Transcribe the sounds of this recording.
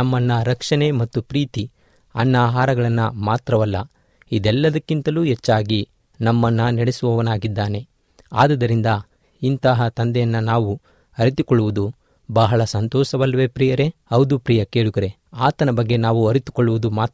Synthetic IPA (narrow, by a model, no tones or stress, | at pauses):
nɐmːɐnːɐɾɐkʂɐne̞mɐt̪ːupɾiːt̪i | ɐnːaːɦaːɾɐɡɐɭɐnːɐmaːt̪ɾɐʋɐlːɐ̰ | id̪ɛlːɐd̪ɐkːint̪ɐluːɛt͡ʃːaːɡi | nɐmːɐnːɐnɐɽesuʋɐʋɐnaːɡid̪ːaːne̞ | a̰ːd̪ɐd̪ɐɾind̪ɐ | int̪ɐɦɐt̪ɐnd̪ɛjɐnːɐnaːʋu | ɐɾit̪ukɔɭːuʋud̪u | bɐɦɐɭɐsɐnt̪ɔːʃɐʋɐlːɐʋepɾijɐɾe̞ɐwd̪upɾijɐkeːɭuɡɐɾe̞ | aːt̪ɐnɐbɐɡːe̞naːʋuɐɾit̪u̥koɭːuʋud̪umaːt̪